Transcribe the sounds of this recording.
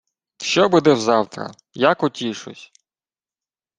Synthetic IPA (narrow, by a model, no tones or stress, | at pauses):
ʃt͡ʃɔbud̪ɛwzɑwt̪ɾɐ̰ | jakʊtʲiʃʊ̰sʲ